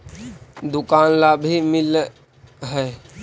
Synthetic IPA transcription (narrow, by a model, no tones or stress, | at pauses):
d̪ʊkaːnlabʱimɪl | ɦɛː